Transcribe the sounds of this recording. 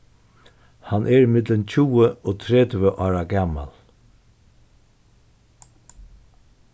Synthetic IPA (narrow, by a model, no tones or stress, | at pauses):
hanʔɛːɹimɪd̪lənt͡ɕʰuːəoːt̪ʰɾɛd̪ʋəʔɑːɹaɡama̰l